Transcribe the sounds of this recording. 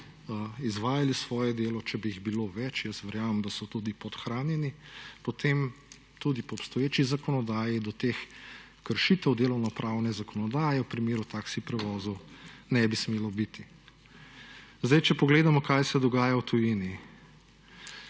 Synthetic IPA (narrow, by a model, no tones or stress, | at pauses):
izʋaːjalisʋɔːjɛd̪eːlɔt͡ʃɛbiiɣbiloʋɛt͡ʃjəst̪ʋɛɾjaːmɛmd̪asɔt̪ud̪ipɔt̪xɾaːnjɛnipot̪ʰem | t̪ud̪ipɔːpst̪ɔjeːt͡ʃizakɔnɔd̪aːjid̪ɔt̪eːx | kəɾʃit̪ɛwd̪eːlɔwnɔpɾʔaːwnɛzakɔnɔd̪aːjɛwpɾimeːɾut̪aːksipɾɛʋɔːzɔwnɛbismeːlɔbit̪i | zd̪ɛjt͡ʃɛpɔɡleːd̪amɔkajsɛd̪ɔɡaːjawt̪ujini